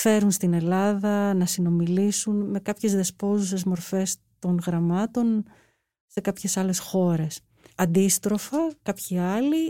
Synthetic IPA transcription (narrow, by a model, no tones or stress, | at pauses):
fe̞ɾunst̪ine̞lɐðɐnɐsino̞milisunme̞kɐpçe̞zðe̞spo̞zus̬e̞zmo̞ɾfe̞s | t̪o̞ŋɣɾɐmɐt̪o̞n | se̞kɐpçe̞sɐle̞sxo̞ɾe̞s | ɐnd̪ist̪ɾo̞fɐkɐpçiɐli